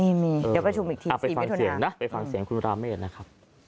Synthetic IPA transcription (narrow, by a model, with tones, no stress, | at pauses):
iː˥˩miː˧ɤː˧˨˦pɾa˧t͡ɕʰu˧mʔiː˨k̚t̪ʰiː˧a˨˩spa˧i˨ifa˧˦ŋtʰo˧si˨˩˦əa˧ŋna˦˥ʔpa˧jfa˧ŋsi˨˩˦ŋkʰu˧nɾaː˧meː˥˩t̪̚na˦˥kʰa˦˥p̚